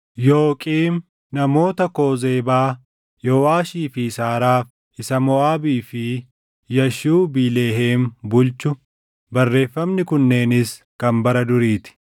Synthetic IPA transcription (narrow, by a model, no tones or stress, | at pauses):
joːkʼiːm | nɐmo̞ːt̪ɐko̞ːzeːbaː | jɔːwaːʃiːfɪsaːɾaːf | ɪsɐmɔaːbiːfɪ | jɐʃuːbiːle̞ːɦeːmbʊlt͡ʃʊ | bɐrːe̞ːfːɐmnɪkʊnːe̞ːnɪs | kɐmbɐɾɐd̪ʊɾiːt̪ɪ̥